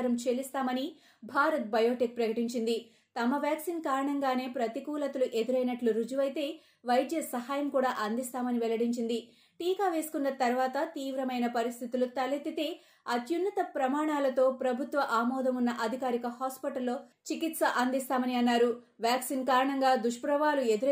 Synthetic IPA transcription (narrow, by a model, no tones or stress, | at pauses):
ɾɐmt͡ʃe̞ːlist̪aːmɐni | bʱaːɾɐt̪̚bɐjoːʈik̚pɾɐkɐʈiɲt͡ʃind̪i | t̪ɐmɐʋjaːksiːnkaːɾɐɳɐŋɡaːne̞ːpɾɐt̪ikuːlɐt̪ɐluʔe̞d̪iɾɐjnɐʈluɾud͡ʒuʋɐjt̪e̞ː | ʋɐjd̪jɐsɐɦaːjɐmkuːɽaːʔɐnd̪ist̪aːmɐniʋɛlɐɽiɲt͡ʃind̪i | ʈiːkaːʋe̞ːsu̥kunːɐt̪ɐɾʋaːt̪ɐt̪iːʋɾɐmɐjnɐpɐɾist̪ʰit̪ulut̪ɐlit̪it̪e̞ː | ɐt̪junːɐt̪ɐpɾɐmaːɳaːlɐt̪o̞ːpɾɐbʱut̪ʋɐʔaːmɔːd̪ɐmunːɐʔɐd̪ʱikaːɾikɐhaːspiʈɐlːo̞ːt͡ʃikit̪sɐʔɐnd̪ist̪aːmɐniɐnːaːɾu | ʋjaːksinkaːɾɐɳɐŋɡaːd̪uʂpuɾɐʋaːlue̞d̪uɾ